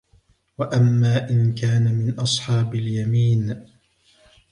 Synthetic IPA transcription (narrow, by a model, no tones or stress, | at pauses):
waʔamːaːʔɪnkaːnamɪnʔɑsˤħɑːbaljamiːn